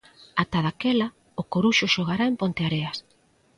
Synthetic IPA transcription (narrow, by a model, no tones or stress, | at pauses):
at̪aðakela | ʊkoɾuʃʊʃoɣ̞aɾaempont̪eaɾeas